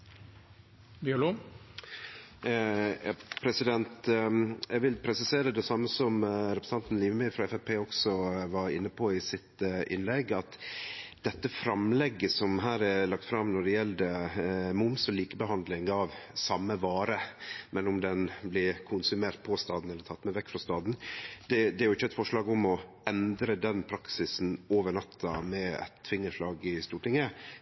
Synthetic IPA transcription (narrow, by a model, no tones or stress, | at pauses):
bɪlo | ɑpʰɾɛsɪd̪ɛnt̪jɛɡʋɪlpʰɾɛsɪseːɾəd̪ɛsɑmːəsɔmɾɛpɾəsɑnt̪n̩liːʋəmæfɾɑɛfɛpʰeːɔksɔʋɑɾɪ̰nːəpʰɔɪsɪt̪ʔɪ̰nlɛɡːɑt̪d̪̥ɛt̪ːəfɾɑmlɛɡːəsɔmɦæːɾɛlɑk̚t̪fɾɑmnɔɖɛjɛld̪əmʊmsɔliːkəbəɦɑnd̪lɪŋɑʋsɑmːəʋɑːɾəmɛnʊmd̪ɛnblɪkʰʊnsʉmeːɾt̪̚pʰɔst̪ɑːd̪n̩ɛlːəɾt̪ʰɑt̪ːmɛɪʋɛkːfɾɑst̪ɑːd̪n̩d̪̥ɛd̪ɛæɾjʊɪçːəɛt̪fɔʂɭɑːɡʊmɔʔɛnd̪ɾəd̪ɛnpʰɾɑksɪsn̩oːʋəɳɑt̪ʰːɑmɛɛ̰t̪ʰːfɪŋːəʂlɑːɡɪst̪uːʈɪŋə